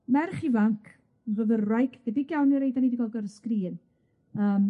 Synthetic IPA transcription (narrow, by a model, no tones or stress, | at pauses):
mɛrχivaŋkʰ | nrəvərwajkʰɡ̥ɛdiɡjawnjɔɾejdaniːdiɡɔlˠɡɔɾəskriːn | əːm